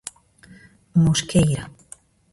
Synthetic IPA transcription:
muskejɾa

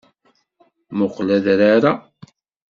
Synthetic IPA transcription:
mʊqlæðɾaɾa

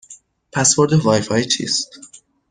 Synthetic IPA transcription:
pʰæsbo̞ɾd̪evɒːjfɒːjit͡ʃʰḭːst̪

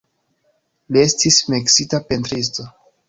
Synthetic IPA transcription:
lie̞stismiksitapentɾis̬to̞

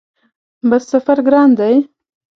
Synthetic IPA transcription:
bɑssafaɾɡɾɑnd̪aj

